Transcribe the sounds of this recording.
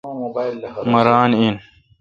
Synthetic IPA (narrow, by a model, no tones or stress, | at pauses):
mɐɾaːnin